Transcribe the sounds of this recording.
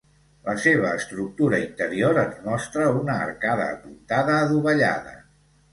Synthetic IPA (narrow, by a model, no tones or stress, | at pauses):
ləseβ̞əːst̪ɾuk̚t̪uɾəint̪əɾioɾənzmɔst̪ɾəunə̰ːrkaðə̰ːpunt̪aðəːðuβəʎa̰ðə̰